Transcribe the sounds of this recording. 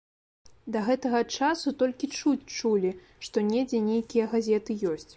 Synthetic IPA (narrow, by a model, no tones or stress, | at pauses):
d̪ɐɣɛt̪ɐɣɐt͡ʂasut̪ɔlʲkʲit͡ʂut͡sʲt͡ʂulʲi | ʂt̪ɔnʲɛd͡zʲɛnʲejkʲijɐɣazʲɛt̪ɨjɔsʲt͡sʲ